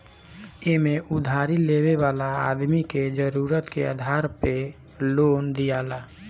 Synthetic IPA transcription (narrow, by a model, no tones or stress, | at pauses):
emẽʔʊd̪ʱaːɾileːweʋaːlaa̰ːd̪miked͡ʒəɾuːɾət̪keə̰d̪ʱaːɾpe | loːnd̪ijaːlaː